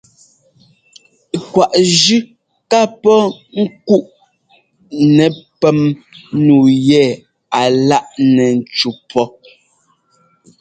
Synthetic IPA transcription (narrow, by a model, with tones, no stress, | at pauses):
kwa˨ʔʒʉ˦ | ka˦pɔ˦ŋ̩˦ku˦ʔ | nɛ˨pɛ˦mnuː˨jɛ˦˨ | a˨la˦ʔnɛ˨n̩˨t͡ʃu˨pʰɔ˦